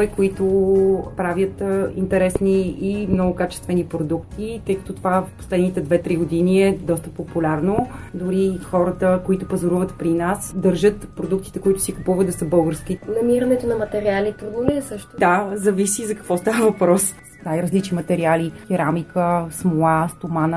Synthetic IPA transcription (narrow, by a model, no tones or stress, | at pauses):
ikoit̪opɾavjət̪ḭnt̪ɛɾɛsniimnɔɡʊkat͡ʃɛ̥st̪vɛnipɾod̪ukt̪it̪ɤjkə̥t̪ot̪ovafpo̥slɛd̪nit̪ɛd̪vɛt̪ɾiɡod̪iniɛd̪ɔst̪əpopulʲaɾno | d̪ʊɾixɔɾət̪əkoit̪ʊpɐzoɾuvət̪pɾinasd̪əɾʒɤt̪pɾod̪uk̚t̪i̥t̪ɛkoit̪ʊ̥sikupuvəd̪̚d̪ɐsəbɤlˠɡəɾsk̟ʲinɐmiɾənɛt̪onɐmɐt̪ɛɾialip̪ɾuɡ̪uniɛsəʃt̪d̪azɐvisizɐkɐ̥kvɔst̪avəvɐpɾɔs | najɾəzlit͡ʃnimɐt̪ɛɾialik̪ʲiɾamikəsmolˠast̪omanə